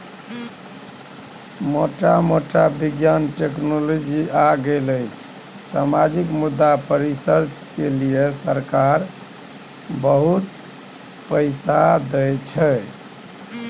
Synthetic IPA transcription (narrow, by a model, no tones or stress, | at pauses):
moʈamoʈabiɡjanʈeknolod͡ʒiaɡeləjt͡ʃʰ | samad͡ʒikmud̪ːapəɾisəɾt͡ʃkelijesəɾkaɾ | bəɦut̪ | pəɪsad̪əjt͡ʃʰɛ